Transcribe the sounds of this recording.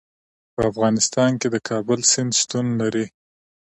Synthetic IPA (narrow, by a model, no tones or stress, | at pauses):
pəafɣɑnɪst̪ɑnked̪əkʰɑbəlsɪnd̪st̪unlaɾi